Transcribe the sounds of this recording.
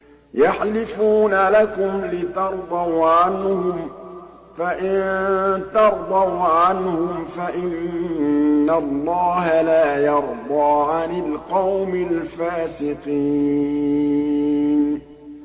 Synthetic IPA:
jaħlɪfuːnalakʊmlɪt̪ɑɾˤd̪ˤɑwʕanhʊm | faʔɪnt̪ɑɾˤd̪ˤɑwʕanhʊmfaʔɪnː | alˤːɑːɦalaːjɑɾˤd̪ˤɑːʕanɪlqɑwmɪlfaːsɪqiː | n

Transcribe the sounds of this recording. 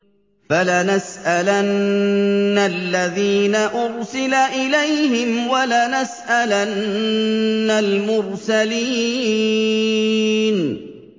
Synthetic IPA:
falanasʔalanː | alːaðiːnaʔʊɾsɪlaʔɪlajhɪmwalanasʔalanː | almʊɾsali | n

